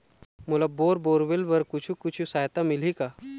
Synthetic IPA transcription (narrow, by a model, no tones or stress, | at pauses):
mulaboɾboɾʋelʋəɾkut͡ɕʰikut͡ɕʰisajt̪amilika